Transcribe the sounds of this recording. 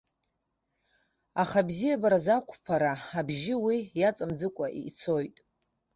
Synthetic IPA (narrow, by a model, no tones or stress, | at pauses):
aχabzijabaɾazakʷʰʼpʰaɾaabʒɪwijat͡sʼamd͡zɨkʷʼaʔḭt͡sʰojtʼ